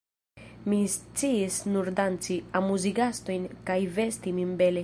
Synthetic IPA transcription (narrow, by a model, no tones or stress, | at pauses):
mist͡siisnuɾdant͡siamuziɡasto̞jnkajve̞stiminbe̞le